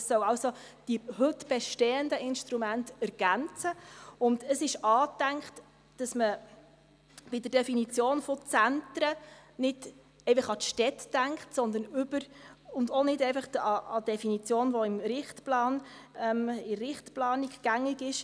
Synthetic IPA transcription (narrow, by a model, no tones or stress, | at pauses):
ssœwɑwso | d̥ihøtb̥ɛʃtɛːəndəʔɪnʃtɾumæntɛɾɡ̥ænt͡səʊndəsɪʃɑːtæŋkχt | d̥ɑsmə | b̥ɪdəɾd̥ɛfinit͡sjoːnfɔt͡sæntɾənɪd̥ | ɛɪfɑχɑt̪ʃtɛtd̥æŋkχtsɔnd̪ənʏbəɾʊndonɪdɛɪfɑχɑɑd̥ɛfinit͡sjoːnʋoɪmɾɪχtplɑːnɛmɪɾɪχtplɑːniɡɡ̥æŋɪɡɪʃ